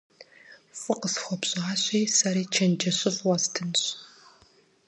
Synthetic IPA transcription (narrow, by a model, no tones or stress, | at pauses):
fɨqəsxʷɔpɕʼaːɕʷʼijsɐɾiːt͡ʃʰɐnd͡ʒɐɕɪfwɐstʰɨnɕ